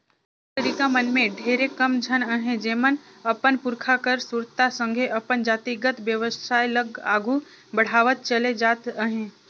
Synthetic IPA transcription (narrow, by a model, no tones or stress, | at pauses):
ɪst̪əɾiːkamənmẽɖʱeːɾekəmd͡ʒʱənəɦẽd͡ʒeːmən | əpənpʊɾkʰakəɾsʊɾt̪asə̃ŋɡʱeʔəpənd͡ʒaːt̪iɡət̪ʋjəʋəsaːiləɡa̰ːɡʱu | bəɽ̤aːʋət̪̚t͡ʃəled͡ʒaːt̪əɦẽː